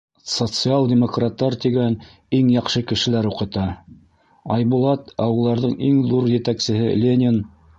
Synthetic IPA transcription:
sot̪sɨalˠdʲɪmokrat̪ːɑɾt̪iɡæn | iŋjɑqʃɤkɘ̆ʃɘ̆læɾuqɤ̆t̪ɑ | ɑjbulˠɑt̪ɑwɤ̆lˠːɑɾðɤɴʔiŋðuɾjɘ̆t̪æksɘ̆hɘlʲenʲɪn

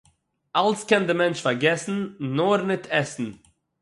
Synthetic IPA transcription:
alskɛndɪmɛnt͡ʃfaɾɡɛsn̩noɾnɪtʰɛsn̩

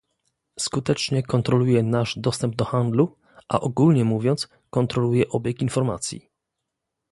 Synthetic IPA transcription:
skut̪ɛt͡ʂɲɛkɔnt̪ɾɔlujɛnaʐd̪ɔst̪ɛmb̚d̪ɔxand̪lu | ʔa̰ʔɔɡulɲɛmuvʲjɔnt̪s | kɔnt̪ɾɔlujɛʔɔbʲjɛkinfɔɾma̰t̪sʲjḭ

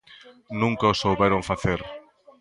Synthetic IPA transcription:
nũŋkɐosowβɛɾoɱfaθeɾ

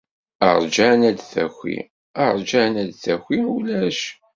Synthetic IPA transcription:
ə̰ʁˤd͡ʒanæd̪θæ̰xʷḭ | əɾˤd͡ʒanæd̪θæxʷiulæʃ

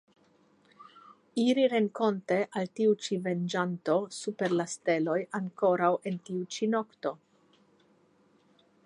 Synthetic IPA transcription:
iɾiɾe̞ŋko̞nte̞ʔaltiut͡ʃive̞nd͡ʒanto̞supe̞ɾlaste̞lo̞jaŋko̞ɾawʔe̞ntiut͡ʃino̞kto̞

